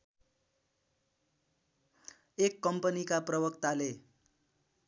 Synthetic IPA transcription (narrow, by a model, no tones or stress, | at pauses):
ekːʌmpʌnikaprʌbʌkt̪ale